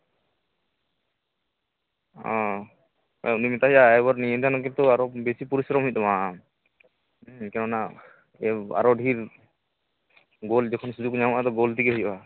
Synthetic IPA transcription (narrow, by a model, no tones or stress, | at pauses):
ɔ̃ | nimit̪aɦijaɛbɔɾnijɛnt̪ʰanɔkɛt̪ɔaɾɔbesipuɾisɾɔmɦujt̪ɔma | kɛnɔna | ɛa̰ɾɔɖʱiɾ | ɡold͡ʒɔkʰɔnsud̪ukuɲaũʔat̪ɔɡolt̪ikɛɦɔja